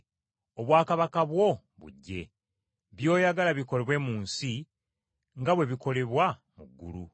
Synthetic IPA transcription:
o̞βwaːkaβakaβwo̞ | βṵɟːe̞̰ | βjo̞ːjaɡalaβiko̞le̞βwe̞muːnsi | ŋɡaβwe̞βiko̞le̞βwamuɡːṵlu

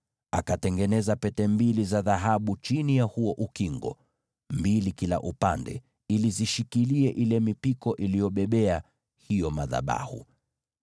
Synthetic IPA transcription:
akatɛŋɡɛnɛzapɛtɛmbilizaðaɦaɓut͡ʃinijahuɔʔukiŋɡɔ̰ | mbilikila̰ʔupandɛ̰ | iliziʃikiliɛʔilɛmipikɔʔilijɔɓɛɓɛa | hijɔmaða̰ɓa̰hṵ

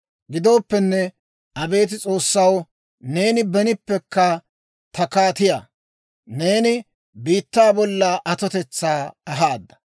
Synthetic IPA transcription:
ɡɪd̪o̞ːpːɛnːɛ | ʔɐbe̞ːt̪̬ɪt͡sʼo̞ːsːɐw | ne̞ːnɪbɛnɪpːɛkːɐ | t̪ɐkaːt̪ɪja̰ː | ne̞ːnɪ | biːt̪ːaːbɔlːɐʔɐt̪ɔt̪ɛt͡sːaːɐɦaːd̪ːɐ̥

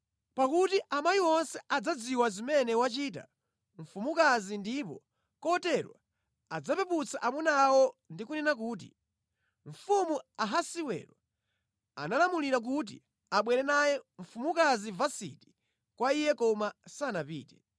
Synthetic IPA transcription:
pakutiʔamajiwɔnsɛad͡zad͡ziwazimɛnɛwat͡ʃiːt̬a̰ | ɱ̩fumukazindipɔ̰ | kɔtɛɾwa̰ | ad͡zapɛput͡sʰaʔamunawɔndikunɛnak̬uːt̬ḭ | ɱ̩fumuaɦasiwɛ̰ɾwa | a̰nalamuliɾak̬ut̬ḭ | aɓwɛɾɛnajɛɱ̩fumukazivasḭti̥ | kwaijɛkɔmasanapiːtɛ̥

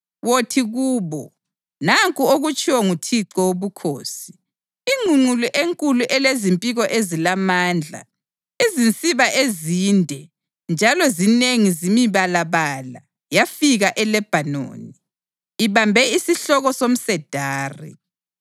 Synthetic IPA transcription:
wotʰiɣuːβɔ | naŋkʼuoɣut͡ʃʼiwɔŋutʰiǀɔwoβukʰoːsi̥ | iŋuŋ͡ǀuluʔeŋkʼuluʔɛlezimpʼiɣɔʔezilamaːnd͡ɮʱa̰ | izint͡sʼiβaʔezindʱɛ | nd͡ʒʱalɔzineŋizimiβalaβala | jafiɣaʔɛlɛb̥ʱano̰ːniː | βambʱɛisiɬɔɣɔsom̩sɛd̥ʱaːrḭ

